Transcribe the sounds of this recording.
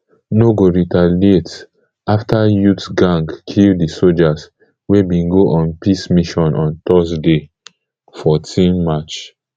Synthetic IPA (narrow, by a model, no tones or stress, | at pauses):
noɡoɹitalet | aftajutɡãŋɡkʰildisod͡ʒas | webĩnɡoʔɔ̃npismiʃɔ̃nʔɔ̃ntɔsde | fɔtʰĩnmat͡ʃ